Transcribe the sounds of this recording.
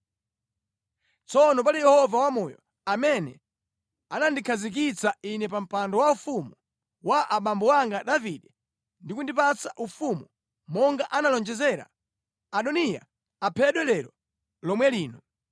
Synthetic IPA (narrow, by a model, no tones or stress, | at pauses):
t͡sɔnɔp̬alijɛhɔvawamɔjɔ̰ | amɛnɛ̰ | anandikʰazik̬it͡sainɛpam̩pandɔwaufumu | waʔaɓambɔwaŋɡaɗaviɗɛ | ndikundip̬at͡saʔufumu | mɔŋɡaʔanalɔnd͡ʒɛzɛɾa̰ | aɗɔnija̰ | apʰɛɗwɛlɛɾɔ | lɔmwɛliːnɔ